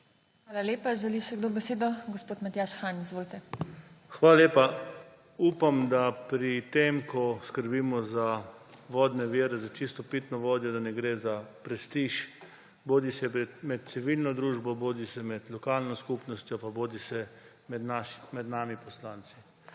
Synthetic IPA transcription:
xʋaːlaleːpaʒɛliʃɛɡd̪oːbɛseːd̪ɔɡospoːt̪mat̪jaːʃxaːnizʋoːlit̪ɛxʋaːlaleːpa | uːpamd̪apɾit̪emkʰɔskəɾbiːmɔza | ʋɔːd̪nɛʋiɾɛzat͡ʃist̪ɔpit̪nɔʋoːd̪jɔd̪anɛɡɾeːzapɾɛst̪iʃ | boːd̪isɛmɛt̪̚t̪siʋilnɔd̪ɾuːʒbɔboːd̪isɛmɛt̪lɔkalnɔskupnɔst̪jɔpaboːd̪isɛ | mɛnaʃmɛd̪naːmipɔslaːnt̪si̥

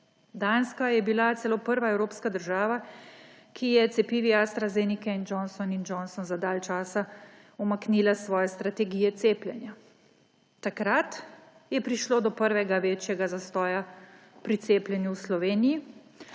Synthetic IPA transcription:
d̪anskajɛbilat̪sɛlopəɾʋaɛwɾoːpskad̪əɾʒaːʋa | kʰijɛt̪sɛpiːʋiast̪ɾazenikɛind͡ʒɔnsɔnind͡ʒɔnsɔnzad̪aːlt͡ʃaːsa | umakniːlasʋɔːjɛst̪ɾat̪ɛɡiːjɛt̪seplʲjɛnja | t̪akɾat̪ | jɛpɾiʃloːd̪ɔpəɾʋɛɡaʋet͡ʃjɛɡazast̪ɔːja | pɾit̪seːplʲjɛnjuwslɔʋeːniji

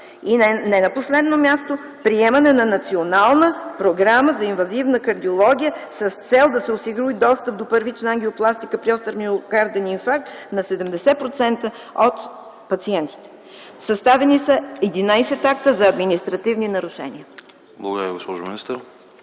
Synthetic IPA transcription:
inɛnɐposlɛd̪nomʲjast̪o | pɾiɛmɐnɛnɐnɐt̪sionalˠnəpɾoɡɾaməzɐinvɐzivnəkɐɾd̪iolˠɔɡʲijəsəst̪sɛlˠd̪ɐsɛosiɡɾuid̪ɔst̪əp̚d̪opəɾvit͡ʃnɐaŋɡlioplˠast̪ikəpɾiɔst̪əɾmiokaɾd̪ɛninfak̚t̪nɐsɛd̪ɛmd̪ɛsɛpɾot̪sɛnt̪ə | ot̪ | pɐt̪siɛnt̪i̥t̪ɛ̥ | sɐst̪avɛnisɐɛd̪inajsɛt̪akt̪əzɐːd̪minist̪ɾɐt̪ivninɐɾuʃɛ̰niə | blˠɐɡod̪əɾəviɡospɔʒʊminist̪əɾ

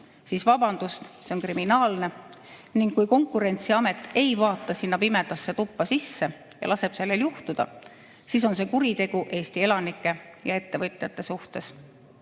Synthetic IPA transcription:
siːsvɑb̥ɑnd̪̥ust̪seonkriminɑːlne̞ | niŋɡ̥kːujko̞ŋkːˑuɾe̞nʲt̪siɑme̞t̪ːˑe̞jvɑːt̪ːˑɑsinːɑpime̞d̪̥ɑsːe̞t̪upːɑsisːe̞ | jɑ̰lɑse̞b̥se̞lːe̞ljuht̪ud̪̥ɑ̰ | siːs̬o̞nse̞kuɾit̪e̞ɡ̥uʔe̞ːst̪ie̞lɑnikˑːe̞jɑe̞t̪ːe̞vɤt̪ʲˑjɑt̪ːˑe̞suht̪e̞s

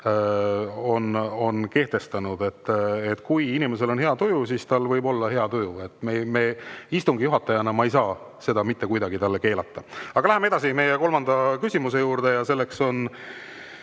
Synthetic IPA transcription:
o̞no̞nke̞ht̪e̞st̪ɑnud̪e̞t̪ːet̪ːˑkujinʲime̞s̬e̞lo̞nɦe̞ɑt̪ojusiːst̪ɑlvɤjbo̞lːɑhe̞ɑt̪ojue̞t̪ːˑmeme̞ːist̪uŋɡijuɦɑt̪ːˑɑjɑnɑmɑejsɑː | se̞d̪ɑmit̪ːe̞kujd̪ɑɡ̥it̪ɑlːeke̞ːlɑt̪ːɑɑɡ̥ɑlæɦemeed̪ɑsime̞jeko̞lmɑnd̪̥ɑkysʲimus̬e̞juːɾd̪̥e̞jɑse̞lːe̞kso̞n

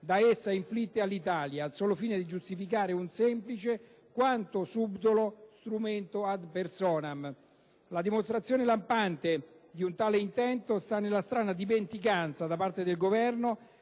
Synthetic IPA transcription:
d̪aesːaiɱflit̪ːealːit̪aːljaːlsoːlofiːned̪id͡ʒust̪ifikaːɾeunsɛmplit͡ʃe | kwant̪osubd̪olost̪ɾument̪oad̪persɔːnam | lad̪imost̪ɾat̪sːjoːnelampant̪ed̪iunt̪aːleint̪ɛnt̪ost̪anːelːast̪ɾaːnad̪iment̪ikant̪sad̪apart̪ed̪elɡovɛrno

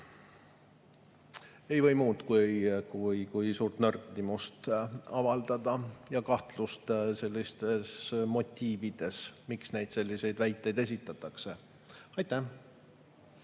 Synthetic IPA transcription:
e̞jvɤ̞jmuːt̪kujkujkujsuːrt̪nɤrklimust̪ɑvɑld̪ɑd̪̥ɑjɑkɑht̪lust̪se̞lʲːist̪e̞smo̞t̪ʲːiːvid̪̥e̞smiksne̞jd̪̥se̞lʲːise̞jd̪væjt̪ːˑe̞jd̪e̞sʲit̪ːˑɑt̪ːˑɑkse̞ | ɑjt̪ːæh

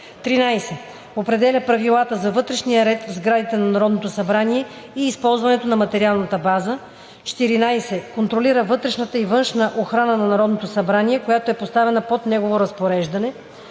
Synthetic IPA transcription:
t̪ɾinajsɛ | opɾɛd̪ɛlʲəpɾɐvilˠat̪əzɐvɤt̪ɾɛʃnijəɾɛt̪vzɡɾad̪it̪ɛnɐnɐɾɔd̪not̪osɐbɾaniɛ | iːspɔlˠzvɐnɛt̪onɐmɐt̪ɛɾialˠnət̪əbazə | t͡ʃɛ̥t̪iɾinajsɛkont̪ɾoliɾəvɤt̪ɾɛʃnət̪əivɤnʃnəʔoxɾanənɐnɐɾɔd̪not̪osɐbɾaniɛkojat̪oɛpost̪avɛnəpot̪nɛɡovoɾɐspoɾɛʒd̪ɐnɛ

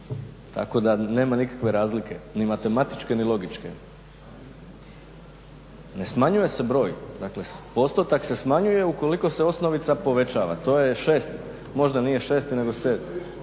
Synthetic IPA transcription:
t̪ʰa̰ko̞d̪ane̞ːmanikḁkʋe̞ɾaːzlike̞nimat̪e̞mat̪i̥t͡ʃke̞nilˠo̞ɡit͡ʃke̞̰ | ne̞smaɲuje̞se̞bɾo̞ːjd̪akle̞po̞st̪ot̪akse̞smaɲuje̞uko̞liko̞seo̞sno̞ʋit̪sapo̞ʋe̞t͡ʃaːʋa̰t̪o̞ːje̞ʃe̞ːst̪i | mo̞ʒd̪anije̞ʃe̞ːst̪ine̞ɡo̞seːd̪mi

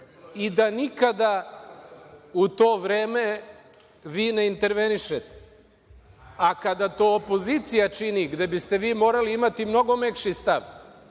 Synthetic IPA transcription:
id̪anikad̪a | ut̪o̞ːʋɾeːme̞ | ʋiːne̞int̪e̞ɾʋe̞niʃet̪e̥ | akad̪at̪o̞ːopo̞zit̪sijat͡ʃiniɡd̪e̞bist̪e̞ʋiːmo̞ːɾaliimat̪imno̞ɡo̞mekʃist̪aʋ

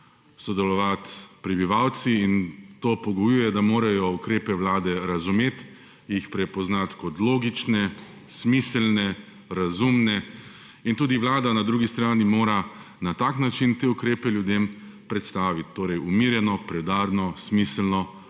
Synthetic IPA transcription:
sɔd̪ɛlɔʋat̪pɾɛbiʋawt̪siːnt̪oːpɔɡɔjujɛd̪amoːɾajɔukɾeːpɛwlaːd̪ɛɾazumeːt̪ | jixpɾɛpɔznat̪kɔt̪loːɡit͡ʃnɛ | smislnɛ | ɾazumnɛ | int̪uːd̪iʋlaːd̪anad̪ɾuːɡist̪ɾaːnimoːɾa | nat̪aːknat͡ʃint̪eːukɾeːpɛljud̪em | pɾɛt̪st̪aːʋit̪ːoːɾɛjumiːɾjɛnɔpɾɛd̪aːɾnɔsmislnɔ

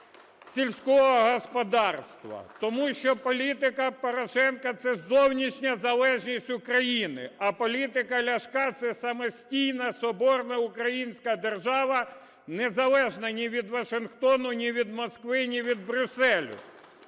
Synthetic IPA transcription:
sʲilʲsʲkɔɦɔɦɔspɔd̪ɑrst̪ʋɐ̰t̪ɔmuʃt͡ʃɔpɔlʲit̪ɪkɐpɔɾɔʃɛnkɐt̪sɛzɔwnʲiʃnʲɐzɐlˠɛʒnʲisʲtʲʊkɾɐjinɪ̰ɐpɔlʲit̪ɪkɐlʲɐʃkɑt̪sɛsɐmɔsʲtʲijnɐsɔbɔrnɐʊkɾɐjinʲsʲkɐd̪erʒɑʋɐ | nezɐlˠɛʒnɐnʲiʋʲid̪ʋɐʃɪnxt̪ɔnʊnʲiʋʲid̪mɔskʋɪnʲiʋʲid̪̚bɾʲʊsɛlʲʊ̰

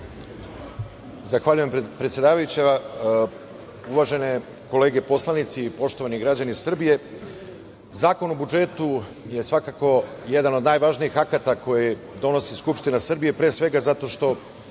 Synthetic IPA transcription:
zaxʋaʎujempɾet̪sʲje̞d̪aːʋajut͡ɕe | uʋaʒe̞ne | ko̞le̞ːɡe̞po̞slˠanit̪siːpo̞ʃt̪o̞ʋaniɡɾad͡ʑanisr̩bije̞ | zaːko̞nobud͡ʒe̞t̪u | jesʋakako̞je̞d̪ano̞d̪naːjʋaʒniixakat̪ako̞ji | d̪o̞no̞siskupʂt̪inasr̩bije̞pɾeːsʋe̞ɡazat̪o̞ʃt̪o̞

